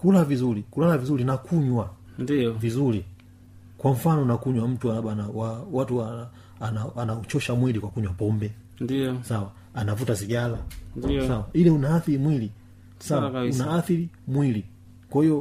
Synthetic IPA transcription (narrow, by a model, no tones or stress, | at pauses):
kulavizulikulalavizulinakʰuɲwa | nvizuli | kwam̩fanɔnakuɲwam̩tuaaɓanawawatua | anaanaut͡ʃɔʃamwilikwakuɲwapɔmbɛ | ndisawa | anavutaziɡalansawailɛunaːθilimwili | sawaunaaθilimwili | kwahijɔ